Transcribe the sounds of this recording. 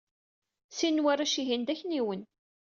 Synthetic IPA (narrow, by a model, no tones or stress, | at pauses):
sinːwæraʃiɦind̪æçniwən